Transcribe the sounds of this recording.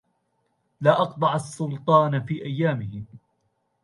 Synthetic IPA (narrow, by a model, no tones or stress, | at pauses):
laːʔɑqt̪ˤɑʕasːʊlt̪ˤɑːnfiːʔajːaːmɪhɪ